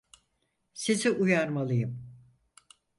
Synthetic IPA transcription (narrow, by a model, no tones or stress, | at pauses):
siziʔujaɾmalˠɯjɯm